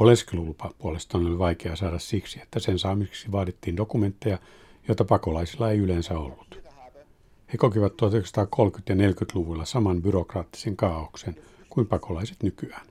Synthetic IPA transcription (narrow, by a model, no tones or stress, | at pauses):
olenskilulupɑpuolest̪ɑːnoliʋɑikeɑsɑːdɑssiksie̥t̪ːæsensɑːmieksiʋɑːdit̪ːiːndokument̪ːejɑ | joit̪ɑpɑkolɑisilːɑeiylensæo̰lːut̪ | hekokiʋɑt̪t̪uɑt̪yksɑ̥t̪ɑːkʰolkyt̪jɑnelkyt̪luʋulːɑsɑmɑnbyrokrɑːt̪ːi̥seŋkɑːoksen | kuimpɑkolɑise̥t̪nykyæ̥ːn